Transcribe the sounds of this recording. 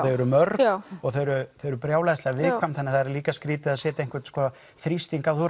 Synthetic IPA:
eɾʏmœɾɔɣθeɾʏθœɥɾʏpɾjaːwlaðst̪lɛɣavɪðkʰvamθanɪɾθaðɛɾaliːkaskɾiːt̪ɪaðsɛːt̪aejŋ̥kvɛɾt̪skɔː | θɾist̪iŋkawθuɾ

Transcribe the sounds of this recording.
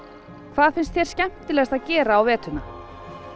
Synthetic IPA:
kʰv̥aːðfɪnst̪θjɛɾ̥scɛm̥t̪ɪlɛst̪aðcɛːɾaawvɛːt̪ʏna

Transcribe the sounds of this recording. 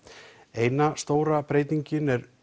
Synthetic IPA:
eːjnast̪oːwɾapɾeːjt̪iɲcɪnɛɾ

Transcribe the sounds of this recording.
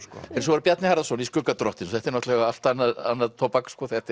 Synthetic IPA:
skɛɾs̬ɔvaɾpjat̪nɪhaɾðasɔniskʏkːat̪ɾɔht̪ɪnθɛht̪ɪɾnɔht̪lɛɣaaft̪anːaða̰nːaðt̪ʰɔpakskɔθɛht̪ɪ

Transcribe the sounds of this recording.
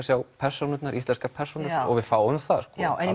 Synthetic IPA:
sjawpʰɛr̥sɔnʏt̪naɾʔist̪lɛnskapʰɛr̥sɔnʏɾɔ̰ɣvɪfaːwʏmθaðskɔɛ

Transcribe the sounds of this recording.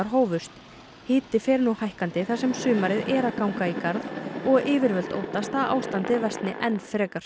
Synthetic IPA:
aɾ̥ɦoːwvʏst̪ | hɪːt̪ɪfɛːɾnuhajhkant̪ɪθasɛmsʏːmaɾɪðɛːɾakawŋkaikaɾðɔɣʔɪːvɪɾvœl̥t̪o̰ːwt̪ast̪aðʔa̰ːwst̪ant̪ɪvɛst̪nɪ̰ʔɛnːfɾɛːkaɾ̥

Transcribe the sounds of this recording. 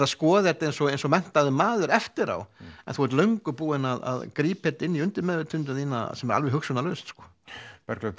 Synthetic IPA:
askɔːðɪɛt̪ːejnsɔɣejnsɔmɛn̥t̪aðɪmaːðʏɾɛft̪ɪɾa̰wɛnθuhɛɾt̪lœɥŋkʏɾpuːɪnaða̰ðkɾiːphɛt̪ɪnːiʏnt̪ɪmɛːvɪt̪ʰʏnt̪̬ʏaðiːna̰sɛmɛɾa̰lvɛɦʏksʏnalœɥst̪skɔ̥ | pɛɾklɛ

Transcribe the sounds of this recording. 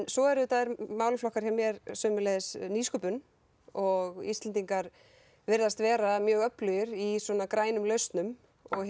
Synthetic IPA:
nsɔɛɾʏt̪aːðɾmaːwlflɔhkaɾ̥çɛmːjɛɾsœːmʏleːðɪsniːskʏpʏn | ɔɣḭst̪ɛnt̪̬iŋkaɾ | vɪɾðast̪vɛːɾamjœːɣœplœjʏɾisɔːnakɾaːjnʏmlœɥst̪nʏm | ɔɣ

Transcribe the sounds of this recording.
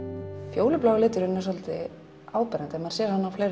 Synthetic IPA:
fjoːwlʏplɔːwɣalɪːt̪ʏɾʏnːɛ̥s̬ɔlt̪ɪ | aːwpɛɾant̪ɛmaɾ̥sjɛːɾhanːawfleːjɾ

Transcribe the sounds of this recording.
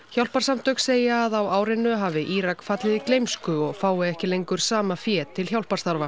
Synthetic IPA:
ç̥awl̥paɾ̥samt̪œkseːjaːðawaːwɾɪnːʏɦaːvɪʔiːɾakfat̪lɪðiklejmskʏɔɣfaːwɪɛhcɪlejŋkʏɾ̥saːmafjɛːt̪ʰːɪlçjawlpaɾst̪aɾva

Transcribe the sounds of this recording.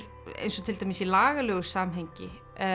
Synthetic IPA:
ḛjnsɔt̪ʰɪlt̪ajmɪsilaːɣalœːɣʏ̥saːmɦeɲcɪ

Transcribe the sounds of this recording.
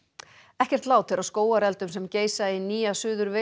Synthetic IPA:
ɛhcɛr̥t̪laːwt̪ʰɪlaðskoːwaɾɛlt̪ʏmsɛmceːjsainːiːasʏːðʏɾvɪ

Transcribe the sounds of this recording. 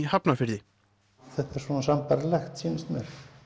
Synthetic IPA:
hapnafɪɾðɪ | θɛht̪ɛɾ̥sɔnasampaɾlɛxt̪siːnast̪mɛɾ̥

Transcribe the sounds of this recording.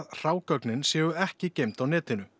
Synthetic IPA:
ðr̥aːwkœknɪnsjɛːɣʏɛhcɪcejm̥t̪awnɛːt̪ɪnʏ

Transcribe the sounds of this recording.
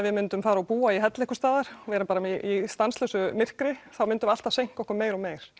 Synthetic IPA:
vɪðmʏnt̪ʏmfaːɾaɔpuːaiɦɛt̪lehkʏst̪aːðaɾ̥vɛːɾɪpaːɾaɪist̪anslœːsʏmɪr̥kɾɪθawmʏnt̪ʏmalt̪asejŋ̥kɔhkʏɾmeːjɾɔmeːjɾ̥

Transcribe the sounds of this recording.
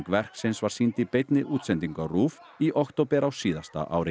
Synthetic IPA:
ŋkvɛr̥ksɛnsvaɾ̥sint̪ipejt̪nɪʔuːt̪sɛnt̪iŋkawruːf | iʔɔkt̪owpɛɾawsiːðast̪a̰ʔa̰ːwɾɪ

